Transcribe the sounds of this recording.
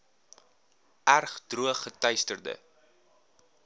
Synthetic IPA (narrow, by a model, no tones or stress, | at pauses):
ærχdruəχːətœjstərdə̰